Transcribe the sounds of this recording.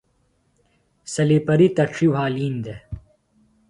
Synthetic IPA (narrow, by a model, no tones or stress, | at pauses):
sɐlipɐɾit̪ɐʂiwaːliːnd̪e